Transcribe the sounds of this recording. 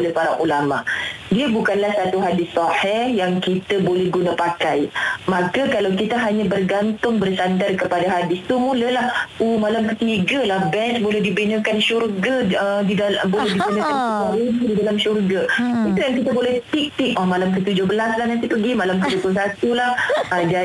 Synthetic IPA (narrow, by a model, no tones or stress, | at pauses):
olɛhpaɾa̰ʔulama̰ʔ | diəbukanlahsat̪uɦadɪsːɔħɪhjaŋkit̪abolɛhɡunapakajmakakalawkit̪aɦaɲãbərɡant̪ʊŋbərsandarkəpadaɦadɪst̪umuləlahumalamkət̪iɡalahbɛnsbolɛhdibənəkanʃurɡaədialbolɛɦdibənəkansbaɾinididalamʃurɡait̪ujaŋkit̪abolɛht̪ik̚t̪ɪk̚ɔmalamkət̪ud͡ʒʊhbəlaslaɦnant̪ipəɡimalamkəd͡ʒoplʊsat̪ulahd͡ʒa